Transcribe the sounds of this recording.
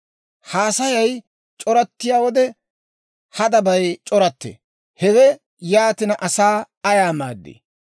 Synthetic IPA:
haːsɐjɐj | t͡ʃʼɔɾɐt̪ːɪjaːwɔd̪ɛ | hɐd̪ɐbɐjt͡ʃʼɔɾɐt̪ːḛ | hɛwɛ | jaːt̪ɪnɐʔɐsaː | ɐjaːma̰ːd̪ːḛː

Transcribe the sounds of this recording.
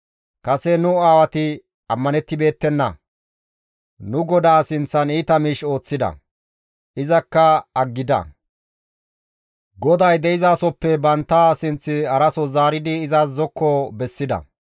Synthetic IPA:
kɐsɛnʊaːwɐt̪ɪ | ɐmːɐnɛt̪ːɪbe̞ːt̪ːɛnːɐ̰ | nʊɡɔd̪aːsɪnt͡sːɐniːt̪ɐmiːʃo̞ːt͡sːɪd̪ɐ̰ | ɪzɐkːɐɐɡːɪd̪ɐ̰ | ɡɔd̪ɐjd̪ɛʔɪzaːsɔpːɛbɐnt̪ːasɪnt͡sːɪɐɾɐsɔzaːɾɪd̪ɪːzaːszɔkːɔbɛsːɪd̪ɐ̰

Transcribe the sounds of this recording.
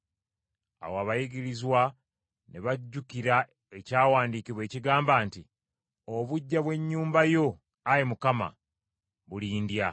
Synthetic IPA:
a̰waβajiɡiɾizwa | neβaɟːukiɾa | e̞caːwaːndiːkiβwe̞ːciɡaːmbaːnti | oβuɟːaβwe̞ɲːuːmbajo̞ | ajemukama̰ | βuliːndja

